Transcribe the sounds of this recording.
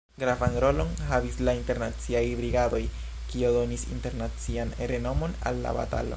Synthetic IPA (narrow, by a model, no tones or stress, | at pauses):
ɡɾavanɾo̞lo̞nɦavislainte̞ɾnat͡siajbɾiɡado̞j | kiodo̞nisḭnte̞ɾnat͡sianɾe̞no̞mo̞na̰lːa̰ba̰ta̰lo̞̰